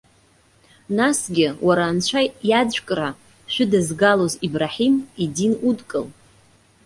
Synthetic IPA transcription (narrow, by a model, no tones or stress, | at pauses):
nasɡʲɪwʔaɾaːnt͡ɕʷʰajad͡zʷᶣkʼɾa | ʃʷᶣʏdɨzɡalozibraħimidinudkʼɨl